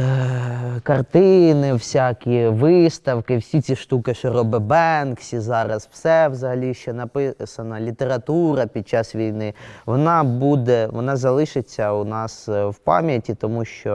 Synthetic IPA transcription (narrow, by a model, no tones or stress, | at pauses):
kɐrt̪ɪnɪwsʲakʲiʋɪst̪ɐwkɪwsʲit͡sʲiʃt̪ukɪʃɔɾɔbɪbɛnksʲizɑɾɐzw̥sɛʋzɐɦɐlʲiʃt͡ʃɔnɐpɪsɐnɐlʲit̪eɾɐt̪uɾɐpʲid̪̚t͡ʃɑsʋʲijnɪʋɔnɑbud̪ɛʋɔnɑzɐlˠɪʃɪt͡sʲːɐunɑswpɑ̰mʲjɐtʲit̪ɔmuʃt͡ʃɔ